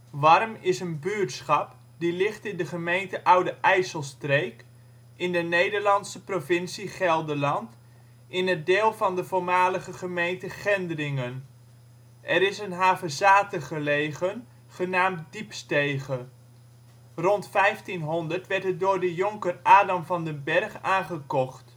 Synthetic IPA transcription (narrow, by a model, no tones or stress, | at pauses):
ʋɑrmɪsənbytsχɑp | dilɪχtɪndəχəmejntəʔʌwdəʔɛjsəlˠstrejk | ɪndənejdəɹlɑnsəprovɪnsiχɛlˠdəlɑnt | ɪnədeːlˠvɑndəvoːɹmaːləχəχəmejntəχɛndərɪŋən | ʔɛɾɪsənɦaːvəzaːtəχəlejχən | χənaːmtdipstejχə | rɔntfɛjftinɦɔndəɹtʋɛɹtɦət̚dʊːɹdəjɔŋkərʔaːdɑmvɑndəbɛrχaːnχəkɔχt